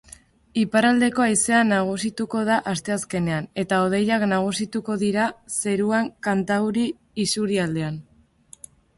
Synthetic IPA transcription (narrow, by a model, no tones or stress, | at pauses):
ipaɾald̪e̞ko̞ajse̞anaɣ̞usit̪uko̞ð̞aʔast̪e̞aske̞ne̞ane̞t̪ao̞ð̞e̞jaknaɣ̞usit̪uko̞ðiɾase̞ɾuaŋkant̪awɾiː | suɾiald̪e̞an